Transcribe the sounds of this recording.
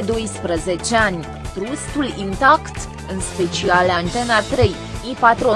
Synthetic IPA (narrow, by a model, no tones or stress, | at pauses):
d̪o̞jspɾəze̞t͡ʃeanʲ | t̪ɾust̪ulint̪akt̪ | ɨnspe̞t͡ʃialant̪e̞nat̪ɾe̞j | ipat̪ɾo